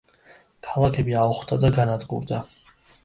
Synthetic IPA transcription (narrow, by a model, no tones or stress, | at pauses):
kʰalˠakʰɛbiauχd̪ad̪aɡanad̪ɡṵɾd̪a